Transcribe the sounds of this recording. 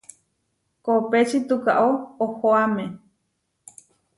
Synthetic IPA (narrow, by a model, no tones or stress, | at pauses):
kopet͡ʃit̪uka̰ʔoohoamẽ